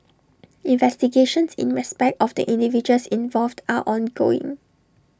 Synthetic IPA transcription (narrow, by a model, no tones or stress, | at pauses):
ĩnvɛstiɡeʃə̃nsḭ̃nɹɛspɛk̚tɔfdə̰ʔĩndivid͡ʒəlsĩnvɔlvdaʔɔ̃nɡo̰ɪ̰̃ŋ